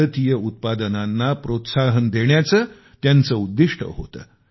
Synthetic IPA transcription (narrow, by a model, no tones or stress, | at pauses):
ət̪ijəut̪̚pad̪ənanːapɾot̪saɦənd̪eɳjat͡səː | t̪jant͡səud̪ːiʂʈʰə̰ɦo̰t̪ə̰ː